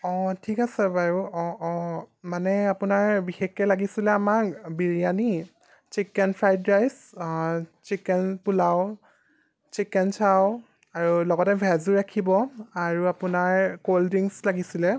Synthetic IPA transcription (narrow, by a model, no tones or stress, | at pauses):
ɔtʰikasɛbaɹuɔɔmanɛapʊnaɹbixekːɛlaɡisilɛamakbiɹijani | t͡ʃikɛnpʰɹajdajs | t͡ʃikɛnpulaw | t͡ʃikɛnsʰaw | aɹulɔɡɔtɛbʱazuɹakʰibɔaɹuapʊnaɹkoldiŋslaɡisilɛ